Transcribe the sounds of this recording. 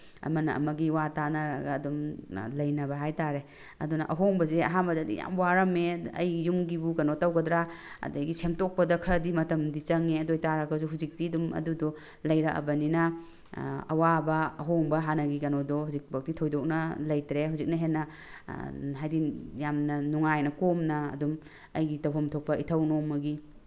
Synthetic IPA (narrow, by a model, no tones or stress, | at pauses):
ɐ̰mɐnɐʔɐ̰mɐɡiwatanaɾɐɡaːdumlɐjnɐbɐɦajtaɾe | ɐ̰dunɐʔɐɦoŋbɐzeɐɦambɐdadḭja̰mwaɾɐmeɐ̰jːumɡibukɐnotawɡɐdɾaɐ̰dɐjɡisʰemtok̚pɐdɐkʰɐɾɐdimɐtɐmdit͡ʃɐŋeɐdojtaɾɐɡɐzuɦuzik̚tidumɐ̰dudɔ | lɐjɾaʔɐ̰bɐninɐ | ɐ̰wabɐɐ̰ɦoŋbɐɦanɐɡikɐnodɔɦuzik̚bak̚titʰojdok̚nɐlɐjtɾeɦuwzik̚nɐɦenːɐ | ɦajdijamnɐnuŋajnɐkomnɐ̰ːdum | ɐjɡitɐwɦɐmtʰok̚pɐitʰɐwnomɐɡi